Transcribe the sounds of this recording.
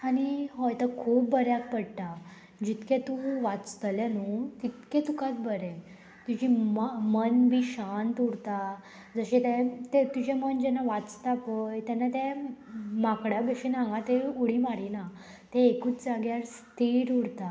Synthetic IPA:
aniɦɔjt̪əkʰuːp̚bəɾjak̚pəɽt̪a | d͡ʑit̪kɛ̃t̪uʋat͡st̪əljanut̪it̪kɛ̃t̪ukat̪̚bəɾɛ̃ | t̪ud͡ʑimmənbʱiɕant̪uɽt̪a | d͡zəɕɛt̪ɛ̃t̪et̪ud͡ʑɛmənd͡ʑɛnaʋat͡st̪apəjt̪ɛnːat̪ɛ̃ | makɽjabəɕinãŋɡãt̪euɽ̤imaɾina | t̪ɛ̃ekuːt͡sd͡zaɡjaɾst̪ʰiɾuɽt̪a

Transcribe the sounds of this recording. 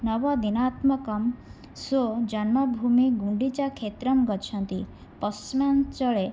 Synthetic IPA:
nɔʋɔd̪inat̪mɔkɔm | sod͡ʒanmɔbʱumiɡũɳɖit͡ʃakʰet̪ɾɔmɡɔt͡ʃʰɔnt̪i | pɔsmjant͡ʃɔɭe

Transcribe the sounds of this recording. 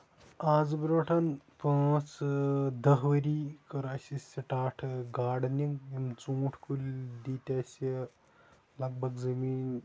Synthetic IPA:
aːzbɐɾʋɐʈʰanpaːt͡sd̪ɐɦʋɐɾiːkɐɾaːsʲisʲɐʈaːʈʰɡaːɽniŋɡimt͡sũːʈʰkulʲd̪iːt̪ʲaːsʲi | lɐɡ̚bʱɐɡzɐmiːn

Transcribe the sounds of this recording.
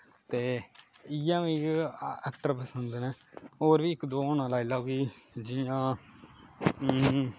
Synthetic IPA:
t̪eːɪjãːʋiːɛːkʈəɾpəsənd̪nɛ̃ːoːɾʋiːɪkd̪oːoːnãːlaːilaːɡiːd͡ʒɪjãː

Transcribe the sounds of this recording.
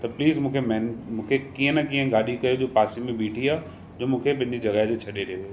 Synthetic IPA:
t̪ɐpliːzmũːkʰemɛɦnmũːkʰekiɦə̃nɐkiːə̃ɡaːɗikɐjod͡ʑoːpaːsimẽɓiːʈʰiaː | d͡ʑoːmũːkʰepɐ̃ɦɪ̃ɲd͡ʑid͡ʑɐɡaɦt̪et͡ɕʰɐɗeɾeʋo

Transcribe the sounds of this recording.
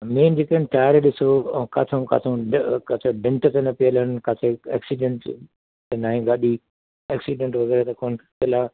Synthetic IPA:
meːnd͡ʑeːkənʈaːəɾɗɪsoka̰ːt̪ʰõka̰ːt̪ʰõkɐt̪ʰeɖɪ̃ɳʈt̪enɐpɪjələnɪkaːt̪ʰeḛːksiɖẽɳʈ | t̪enaːɦĩɡaːɗi | eːksiɖẽɳʈʋɐɣɛːɾet̪ɐkoːntɪlaː

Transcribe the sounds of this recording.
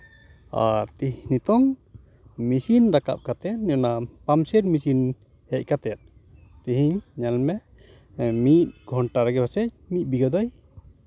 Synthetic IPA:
a̰ɾt̪iɦinit̪ɔŋ | misinɾaka̰p̚kat̪ɛt̪̚nɔnapamsɛɾmisin | hɛc̚ˀkat̪ɛat̪̚ | t̪iɦiɲɲalmɛ | mit̪̚ɡʱɔɳʈaɾɛɡɛbasɛc̚mit̪̚biɡɔd̪ɔj

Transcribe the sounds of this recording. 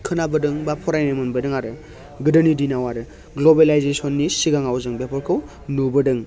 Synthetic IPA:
kʰɯnabɯdɯŋbapʰɔɾajnemɯnbɯdɯŋaɾɯ | ɡɯdɯnidinawaɾɯ | ɡlobelajzesɔnːisiɡaŋawzɯŋbepʰɔɾkʰɯw | nubɯdɯŋ

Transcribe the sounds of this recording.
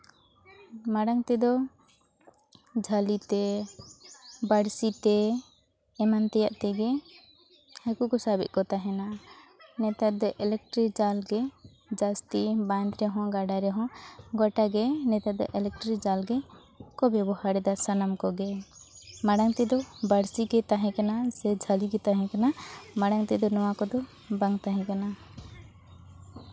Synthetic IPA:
maɽaŋt̪ɛd̪ɔ | d͡ʒʱalit̪ɛ | baɽsit̪ɛ | ɛmant̪ɛja̰ʔt̪ɛɡɛ | akukɔsabḭt̪̚kɔt̪aɦɛna | nɛt̪at̪̚d̪ɔʔɛlɛk̚ʈɾikd͡ʒalɡɛ | d͡ʒast̪iband̪ɾɛɦɔ̃ɡaɖaɾɛɦɔ̃ɡɔʈaɡɛnɛt̪ad̪ɔ̰ʔɛlɛk̚ʈɾikd͡ʒalɡɛ | kɔbɛbɔhaɽɛd̪asanamkɔɡɛ | maɽaŋt̪ɛd̪ɔbaɽsiɡɛt̪aɦɛ̃kanasɛd͡ʒʱaliɡɛt̪aɦɛ̃kanamaɽaŋt̪ɛd̪ɔnɔwakɔd̪ɔ | baŋt̪aɦɛ̃kana

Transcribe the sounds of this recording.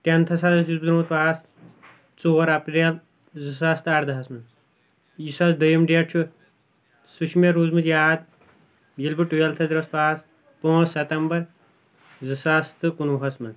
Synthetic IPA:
ʈɐnt̪ʰɐsad̪ɐsjuzbd̪ɾmut̪paːs | t͡soːɾɐpɾɐl | zɨsaːst̪ɐʈd̪ɐɦɐsmɐn | jisaːsd̪ɐjɐmɖiɐʈ̚t͡ʃʰu | suʃʰmeɾuːzmɨt̪jaːd̪ | jilbɨʈujalt̪ʰɐzɾɐspaːs | põːt͡ssɐt̪ɐmbɐɾ | zɨsaːst̪ɨkunuɦɐsmɐn

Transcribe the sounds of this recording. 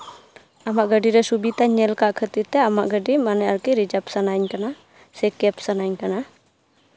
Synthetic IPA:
amaʔɡəɖiɾɛsubit̪aɲɛlkaʔkʰət̪iɾt̪ɛamaʔɡəɖimanɛaɾkiɾid͡ʒapsanaɲkana | sɛkɛpsanajɲkana

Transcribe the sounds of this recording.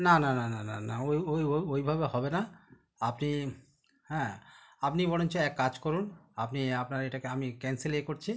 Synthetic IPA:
nanananananaojojoojbʱabehɔbena | apni | hɛ̃ːapnibɔɽ̃ont͡ɕʰeɛkːad͡ʑkɔɾunapniapnaɾeʈakeamikɛnselekoɾt͡ɕʰi

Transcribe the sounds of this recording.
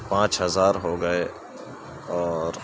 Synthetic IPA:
pãːt͡ʃɦɐzaːɾɦoːɡɐe | ɔːɾ

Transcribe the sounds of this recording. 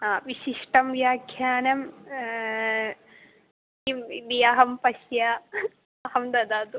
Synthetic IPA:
aːʋiʃiʂʈɐmʋjaːkʰjaːnɐm | imid̪iɐɦɐmpɐʃja | ɐhɐmd̪ɐd̪aːd̪u

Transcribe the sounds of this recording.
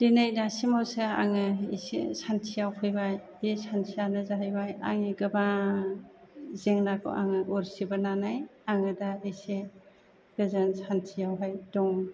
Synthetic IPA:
d̥inejdasimɔsɯa̰ŋɯḭsḛsantʰijawkʰɯjbajbesansʰijanɯzaɦajbaja̰ŋiɡɯba | zeŋnakʰo̰ʔa̰ŋɯʔuɾsibananajaŋɯdaise | ɡ̥ɯzɯnsantʰijawɦajdɔŋ

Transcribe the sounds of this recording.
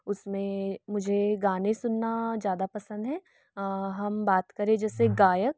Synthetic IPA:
ʊsmẽmʊd͡ʒʱeɡaːnẽsʊnːazjaːd̪apɐsə̃nd̪ɦɛ̃ː | ɦɐmbaːt̪kɐɾẽd͡ʒɛːseɡaːjək̚

